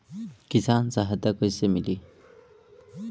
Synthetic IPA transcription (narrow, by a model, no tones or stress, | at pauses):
kisant͡saɦɐd̪akojsemili